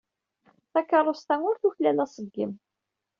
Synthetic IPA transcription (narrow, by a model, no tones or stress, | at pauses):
θækːɑrˤːost̪æŋʊɾθuçlælæsˤəɡːə̰m